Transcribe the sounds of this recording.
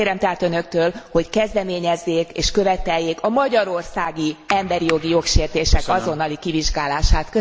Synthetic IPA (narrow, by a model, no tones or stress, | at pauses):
eːɾɛmt̪ɛɦaːt̪ø̞nø̞k̚t̪øːlho̞ckɛzd̪ɛmeːɲɛzːeːkeːʃkøvɛt̪ɛjːeːkɒmɒɟɒɾo̞rsaːɡiɛmbɛɾijo̞ɡijo̞kʃeːrt̪eːʃɛkɒzo̞nːɒlikiviʒɡaːlaːʃaːt̪kø